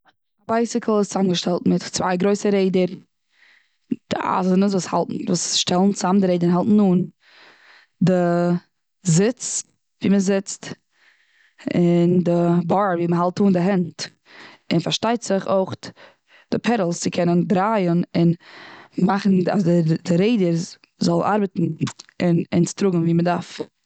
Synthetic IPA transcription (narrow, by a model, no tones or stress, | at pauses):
abaɪsɪkʰl̩ˠɪst͡sanɡəʃtɛlˠtmɪtt͡sva̰ɪɡɾoɪsəɾeɪdəɾ | d̥ɪʔa̰zənəsvuːsha̰lˠtn̩vuːsʃtɛlˠn̩t͡samdɪɾeɪdənɦalˠtn̩nuːn | dɪ | zɪt͡s | viːməzɪt͡st | ɪndɪbaːɾviːməɦalˠtuːndɪɦɛnt | ɪnfaɾʃtaɪtz̥ɪχoɪχ | d̥ɪpʰɛɾəlˠst͡sɪkʰɛnəndɾaːjənɪn | maχn̩a̰zdɪdɪɾeɪdəɾ | zɔlˠna̰ɾbətn̩ɪnɪ̰nstɾʊɡŋn̩viːmədaɾf